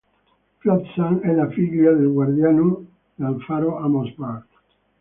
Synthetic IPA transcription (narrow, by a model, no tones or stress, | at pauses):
fjɔt̪sanɛlafiʎːad̪elɡward̪jano | d̪alfaɾoamospaɾt̪